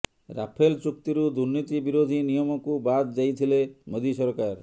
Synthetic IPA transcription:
ɾa̰pʰelt͡ʃuk̚t̪iɾud̪uɾnit̪ibiɾod̪ʱinijɔmɔkubad̪d͡ʒajt̪ʰilemod̪iʃɔɾkaɾ

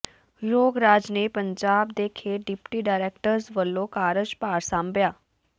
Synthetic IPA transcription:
loːɡɾaːd͡ʒneːpəɲd͡ʒaːbd̪eːkʰeːɖɪpʈiːɖaːɾɛːk̚ʈəɾzʋəlːõːkaːɾəd͡ʒpaːɾsãːmbjaː

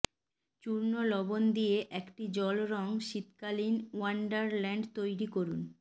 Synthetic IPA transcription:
t͡ɕuɾnolɔbond̪ijeʔɛkʈid͡ʑɔlɾɔŋʃit̪kalinwaɳɖaɾlɛɳɖt̪ojɾikoɾun

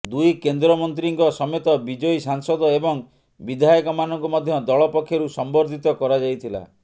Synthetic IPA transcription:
d̪ujkend̪ɾɔmɔnt̪ɾiŋkɔsɔmet̪ɔbid͡ʒɔjsaŋsɔd̪ɔebɔŋ | bid̪ʱajɔkɔmanɔŋkumɔd̪ʱjɔd̪ɔɭɔpɔkʰːjɔɾusɔmbɔɾd̪ʱit̪ɔkɔɾad͡ʒajt̪ʰila̰

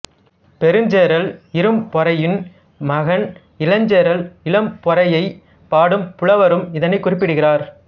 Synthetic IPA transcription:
pɛɾɯɲd͡ʒeːɾɐlɪɾɯmpɔɾɐjɪn | mɐɣɐn | ɪlɐɲd͡ʒeːɾɐlɪlɐmpɔɾɐjɐɪ | paːɽɯmpʊɭɐʋɐɾɯmɪðɐnɐɪkːʊrɪpːɪɽɯɣɪraːɾ

